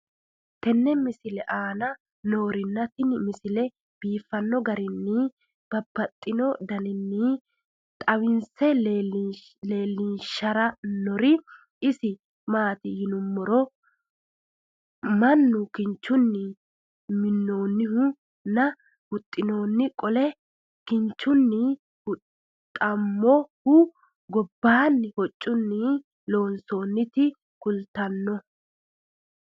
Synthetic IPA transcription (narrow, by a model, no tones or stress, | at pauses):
t̪ɛnːɛmɪsɪlɛʔaːnɐ | no̞ːɾɪnːɐt̪ɪnmɪsɪlɛ | b̥iːfːɐnːɔɡɐɾɪnːɪ | b̥ɐbːɐt̪ʼːɪnɔd̪ɐnɪnːɪ | t̪ʼɐwɪnsɛ | le̞ːlːɪnʃɐɾɐnɔɾɪ | ɪsɪ | maːt̪ɪjɪnʊmːɔɾɔ | mɐnːʊkɪnt͡ʃːʊnːɪ | mɪnːo̞ːnːɪhʊ | nɐ | hʊt̪ʼːɪno̞ːnːɪkʼɔlɛ | kɪnt͡ʃːʊnːɪ | hʊt | t̪ʼɐmːɔhʊ | ɡɔbːaːnːɪhɔt͡ʃʼːʊnːɪ | lo̞ːnso̞ːnːɪt̪ɪ | kʊlt̪ɐnːɔ